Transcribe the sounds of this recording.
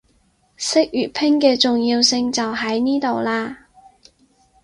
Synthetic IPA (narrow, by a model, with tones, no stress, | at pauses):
sɪ˥k̚jyː˨˩t̚pʰɪ˥ŋkɛː˧t͡sʊ˨ŋjiː˧wsɪ˧ŋt͡sɐ˨wɦɐ˨˥jniː˥t̪o˨wlaː˧